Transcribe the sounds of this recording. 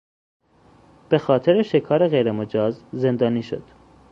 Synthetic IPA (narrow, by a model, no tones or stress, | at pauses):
b̥e̞xɒːt̪ʰe̞ɾeʃe̞kʰɒːɾeɣejɾemod͡ʒɒːzze̞nd̪ɒːniːʃo̞̰d̪̥